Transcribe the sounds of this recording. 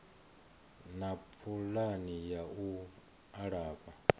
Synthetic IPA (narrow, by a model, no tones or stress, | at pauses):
napʰulanijau | aɺaːba